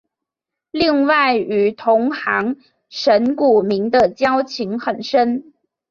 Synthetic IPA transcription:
li˥˧ŋwa˥˩ɪy˨˩t̪ʰʊ˧˥ŋxɑ˧˥ŋ | ʂə˧˥nku˨˩mi˧˥ŋd̪ə˧t͡ɕjɑ˥ʊt͡ɕʰi˧˥ŋxə˨˩nʂə˥n

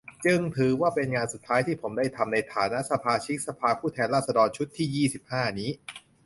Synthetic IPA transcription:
t͡ɕɯ˧ŋt̪ʰɯː˨˦waː˥˩pe˧nŋaː˧nsu˨˩t̪ʰːaː˦˥jt̪ʰiː˥˩pʰo˩˦mdaː˥˩jt̪ʰa˧mna˧jt̪ʰaː˩˦na˦˥ʔsa˧pʰaː˧t͡ɕʰi˦˥k̚sa˧pʰaː˧pʰuː˥˩t̪ʰɛː˧nɾaː˥˩sa˧dɔː˧nt͡ɕʰu˦˥t̪ʰːiː˥˩jiː˥˩si˨˩p̚haː˥˩niː˦˥

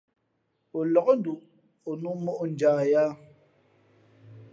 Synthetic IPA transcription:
o˨lɔ˨kɔ˦n˦du˨ | o˨nu˦mɔ˦ʔo˦n˨d͡ʒaː˨ja˦

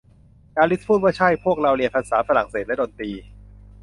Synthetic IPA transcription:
kaː˧li˦˥s̚pʰuː˥˩waː˥˩t͡ɕʰa˥˩jpʰu˥˩ək̚ɾa˧wli˧əpʰa˧nsaː˩˦faː˧la̰˨˩ŋseː˨˩t̪̚lɛ˦˥doː˧nt̪iː˧

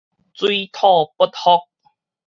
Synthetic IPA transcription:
t͡swi˦t̪ʰɔ˥˨pə˥t̚hɔ˦˥k̚

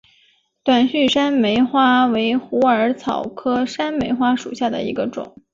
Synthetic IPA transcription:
t̪wa˨˩nɕy˥˩ʂa˥nme˧˥ɪxwa˥we˧˥ɪxu˧˥ə˞˧˥t͡sʰɑ˨˩ʊkʰɤ˥ʂa˥nme˧˥ɪxwa˥ʂṵ˨˩ɕja˥˩d̪ə̰˩ḭ˧˥ɡə˧ʈ͡ʂʊ̰˨˩˦ŋ

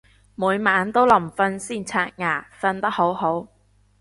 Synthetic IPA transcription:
muː˨˧jmaː˨˥nt̪o˥wlɐ˨˩mfɐ˧nsiː˥˩nt͡sʰaː˧t̚ŋaː˨˩fɐ˧nt̪ɐ˥k̚ho˨˥wɦo˨˥w

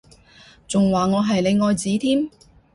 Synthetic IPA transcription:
t͡sʊ˨ŋwaː˨˩ŋɔː˨˧ɦɐ˨jle˨˧jŋɔː˨˧jt͡siː˨˥t̪ʰiː˥m

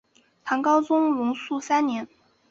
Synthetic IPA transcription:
t̪ʰɑ˧˥ŋkɑ˥ʊt͡sʊ˥ŋlʊ˧˥ŋsu˥˩sa˥nnjɛ˧˥n

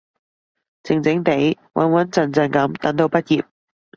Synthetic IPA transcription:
t͡sɪ˨ŋt͡sɪ˨˥ŋt̪e˨˥j | wʔɐ̰˨˥nwɐ˨˥nt͡sɐ˨nt͡sɐ˨˧nkɐ˨˧˥mt̪ɐ˨˥t̪o˧wpɐ˥t̚jiː˨p̚

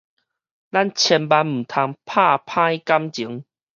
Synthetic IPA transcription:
la˥˨nt͡ɕʰjɛ˧npa˧nm̩˨˩t̪ʰa˧ŋpʰa˥˧˩pʰã˦jka˦mt͡ɕi˨˦ŋ

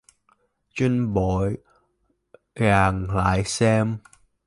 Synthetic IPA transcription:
t͡ɕi˧nɓo˧˨j | ɣaː˨˩ŋla̰ː˧˨jsɛ˧m

